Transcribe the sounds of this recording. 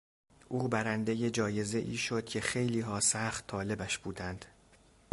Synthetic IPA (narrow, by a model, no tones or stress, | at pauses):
ʔuːbæɾænd̪eje̞d͡ʒɒːje̞ze̞ʔiːʃo̞d̪̥̚cʰe̞xe̞jliːɦɒːsæχt̪ʰːɒːle̞bæʃb̥uːd̪ænd̪̥